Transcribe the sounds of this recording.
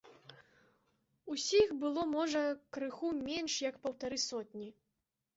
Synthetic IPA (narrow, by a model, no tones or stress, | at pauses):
usʲixbɨlˠɔmɔʐɐkɾɨxumʲɛnʂjɐkpɐwt̪aɾɨsɔt̚ʲnʲi